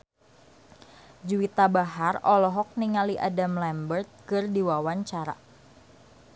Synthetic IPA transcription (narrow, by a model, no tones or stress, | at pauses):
d͡ʒuwit̪abaɦarɔlɔɦɔk̚niŋaliʔa̰damlɛmbərt̪̚kɨrdiwawaɲt͡ʃaɾa̰